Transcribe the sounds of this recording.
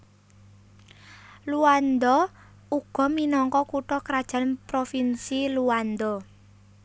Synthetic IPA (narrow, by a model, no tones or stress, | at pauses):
luand̪ɔ | uɡ̥ɔ̤minɔŋkɔkuʈɔkɾad̥ʒ̥ä̤npɾofinsiluand̪ɔ